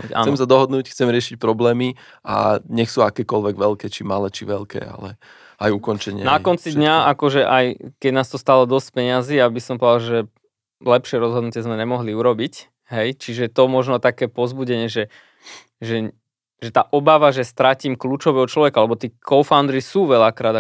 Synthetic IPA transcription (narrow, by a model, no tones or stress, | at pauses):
a̰ːnsɛmsad̪ɔɦɔd̪nuːcxt͡sɛmɾɪɛʃic̚pɾɔblɛːmi | a̰ɲɛxsuːakɛːkɔlʋɛɡʋɛlkɛːt͡ʃimalɛːt͡ʃiʋɛlkɛ̰ːa̰lɛ̰ | ajukɔnt͡ʃɛɲɪɛnakɔnt͡sid̪ɲaakɔʒɛʔajkɛɟnaːst̪ɔst̪aːlɔd̪ɔsc̚pɛɲɪazijabisɔmpɔd̪alʒɛ | lɛpʃɪɛɾɔzɦɔd̪nucɪɛzmɛɲɛmɔɦliuɾɔbic | ɦɛjt͡ʃiʒɛt̪ɔmɔʒnɔt̪akɛːpɔzbuɟɛɲɪɛʒɛ | ʒɛ | ʒɛt̪aːʔɔbaʋaʒɛst̪ɾaciːmkluːt͡ʃɔʋɛːɦɔt͡ʃlɔʋɛkaalɛbɔt̪iːkʰɔʊfand̪ɾisuːʋɛʎakɾaːd̪a